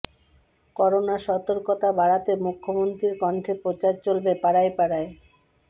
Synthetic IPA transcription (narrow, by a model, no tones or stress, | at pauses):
kɔɾonaʃɔt̪oɾkot̪abaɽat̪emukʰːomont̪ɾiɾkɔɳʈʰepɾot͡ɕaɾt͡ɕolbepaɽajpaɽae